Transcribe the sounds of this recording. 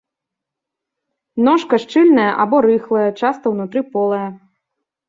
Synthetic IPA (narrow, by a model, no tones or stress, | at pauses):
nɔʂkɐʂt͡ʂɨlʲnɐjɐʔabɔɾɨxlˠɐjɐt͡ʂast̪ɐwnut̪ɾɨpɔlˠɐjɐ